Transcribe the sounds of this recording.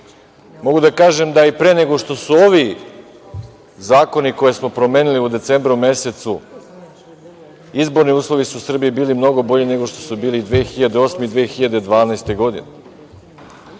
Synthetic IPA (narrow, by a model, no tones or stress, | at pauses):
mo̞ɡud̪akaːʒe̞md̪aipɾeːne̞ɡo̞ʃt̪o̞suo̞ʋi | zaːko̞niko̞jesmo̞pɾo̞me̞ːniliud̪e̞t̪se̞ːmbɾumje̞se̞t̪su | izbo̞ɾniuːslˠo̞ʋisuːsr̩bijibiːlimno̞ɡo̞bo̞ʎine̞ɡo̞ʃt̪o̞̥subiːlid̪ʋeːxiʎad̪eo̞ːsmeid̪ʋeːxiʎad̪ed̪ʋaːnaest̪e̞ɡo̞d̪ḭne